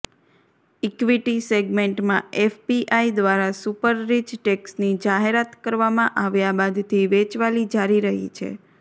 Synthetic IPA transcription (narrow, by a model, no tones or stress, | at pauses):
ikʋiʈiseɡmeɳʈmãefpiʔaid̪ʋaɾasupəɾːid͡ʒʈeksnid͡ʒaɦeɾat̪kəɾʋamãʔaʋjabad̪t̪ʰiʋet͡ʃʋalid͡ʒaɾiɾəɦḭt͡ʃʰḛ